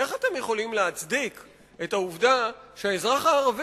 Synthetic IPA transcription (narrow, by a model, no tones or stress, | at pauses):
eχat̪e̞mjeχo̞limleat͡sd̪ik | e̞tauvdaʃeaezʁaχaːʁav